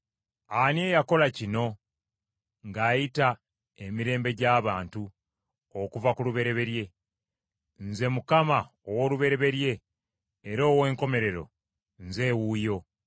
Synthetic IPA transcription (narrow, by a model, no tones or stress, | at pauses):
anie̞ːjako̞lacino̞ | ŋɡaːjita | e̞miɾe̞ːmbe̞ɟaːβaːntu | okuvakuluβe̞ɾe̞βe̞ɾje̞ | nze̞mukama | owoluβe̞ɾe̞βe̞ɾje̞ː | ɾo̞ːwe̞ːŋko̞me̞ɾe̞ɾo̞̰ | nze̞ːwuːjo̞